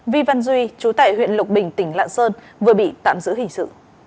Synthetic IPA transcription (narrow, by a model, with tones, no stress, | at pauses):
vi˧va˧nzwi˧t͡ɕu˨˦t̪aː˧˩jhwḭ˧˨ənlʊ˨˩k͡p̚ɓï˨˩ŋ̟t̪ï˧˩ŋ̟la̰ː˧˨nsəː˧nvɨ˨˩əɓḭ˧˨t̪a̰ː˧˨mzɨ̰˧˥hï˧˩ŋ̟sɨ̰˧˨